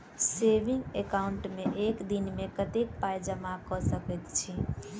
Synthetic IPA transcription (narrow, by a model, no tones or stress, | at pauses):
sebiŋɡekauɳʈmeʔekd̪inmekət̪ek̚pajd͡ʒəmakɔsəkɛt̪t͡ʃʰi